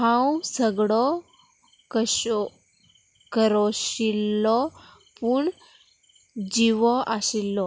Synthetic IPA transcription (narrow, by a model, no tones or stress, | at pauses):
ɦãwsəɡɽɔ | kəɕ | kəɾɔɕilːɔ | puɳ | d͡ʑiʋɔʔaɕilːɔ